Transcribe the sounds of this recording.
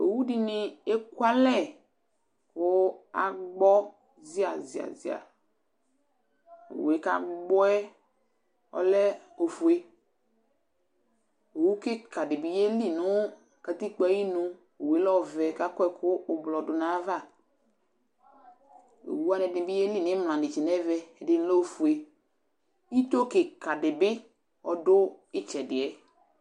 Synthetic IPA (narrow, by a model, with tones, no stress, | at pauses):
o̰˨wu˦dɪ˨nɪ˨e˦kwa˦lɛ˦˨ | kʊ˦a̰˨ɡ͡bɔ˦ | zɪ˦a˨zɪ˨a̰˨zɪ˨a̰˨ | o̰˨we˨˦ka̰˦ɡ͡bɔ˦ɛ˦ | ɔ̰˦lɛ˦ | o˨fu˨e˦ | o˨wu˦kɪ˦ka˨dɪ˨bɪ˨je˦li˦˨nʊ˦ | ka˨ti˦k͡pɛ˨˦ji˦nʊ˦ | o˨we˨˦lɔ˦˨vɛ˨ka˦kɛ˦kʰʊ˦ʊ˨blɔ˨dʊ˨na˨˦va˦˨ | o̰˨wu˦a˦nɛ˨dɪ˨bɪ˦je˦li˦˨nɪ˨˦m˨lã˨dɪ˨t͡ʃɪ˨nɛ˦vɛ˨ɛ˨dɪ˨n˦lo˦o˨fu˨e˨ | i˦to˦kɪ˨ka˨dɪ˨bɪ˦ | ɔ˨dʊ˦ɪ˦t͡ʃɛ˨dɪ˨ɛ˨˦